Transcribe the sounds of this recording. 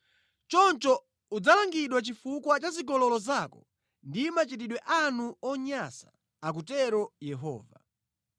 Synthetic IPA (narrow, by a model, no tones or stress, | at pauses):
t͡ʃɔnt͡ʃɔ | ud͡zalaŋɡiɗwat͡ʃifukwat͡ʃazikɔlɔlɔzakɔ | ndimat͡ʃit̬iɗwɛʔanuɔɲasḁ̰ | ak̬utɛɾɔjɛɦɔ̰ːva̰